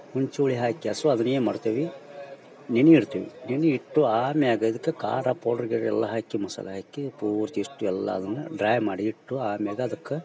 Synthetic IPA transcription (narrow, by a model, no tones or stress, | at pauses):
huɲt͡ʃuuɭiɦaːkːiɐsuɐd̪ɐnːeːmɐɽt̪iʋi | ninuiɾt̪iːʋḭninuiʈːuaːmiaːɡɐid̪ɐkːeka̰ːɾaːpoːɾɖɐɾɡeɾɛlːɐɦaːkːimɐsɐ̰lɐɦaːkːipuːɾt̪iiʂʈːuɛlːɐ̰ɐd̪ɐnːɐɖɾaːjmaːɽiːʈːuaːmijaːɡɐɐd̪ɐkːe